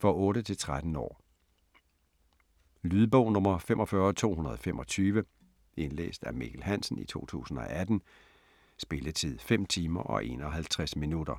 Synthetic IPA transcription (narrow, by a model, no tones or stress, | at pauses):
fɒ̽ɔ̽ːɾət͡sʰe̝lt͡sʰʁad̥n̩ɒ̰ː | lyːðˠəb̥ɔʊnɔ̽mɐfem̰ʔɒ̽fɶːɐt͡sʰo̝̰ːhunɐð̞ˠɒ̽fem̰ʔɒ̽t͡sʰyːʋə | e̝nlḛːsd̥æɐmiɡ̥ʰlɦæn̰sn̩ḭt͡sʰo̝̰ːt͡sʰṵːsn̩ɒ̽ʔæd̥n̩ | sb̥e̝lət͡sʰið̞̰ˠfem̰t͡sʰiːmɐʔɒ̽ʔe̝̰ːnɒɦælt͡sʰʁasminud̥ɐ